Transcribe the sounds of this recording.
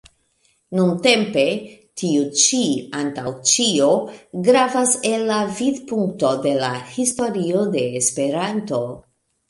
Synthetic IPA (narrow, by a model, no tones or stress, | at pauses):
nunte̞mpe̞ | tiut͡ʃiantawt͡ʃioɡɾavase̞lːavidpuŋk̚to̞de̞lahisto̞ɾio̞de̞ːspe̞ɾanto̞